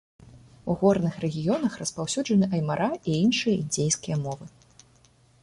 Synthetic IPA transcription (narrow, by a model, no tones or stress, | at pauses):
uɣɔrnɨxɾɛɣʲijɔnɐxrɐspawsʲud͡ʐɐnɨʔɐjmaɾʔaiinʂɨjɐid͡zʲejskʲijɐmɔvɨ